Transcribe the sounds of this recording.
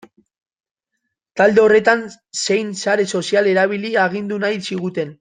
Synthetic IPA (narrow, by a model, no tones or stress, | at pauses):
t̪ald̪e̞o̞re̞t̪an | se̞jnsaɾe̞so̞siale̞ɾaβ̞iliaɣ̞ind̪unajsiɣ̞ut̪e̞n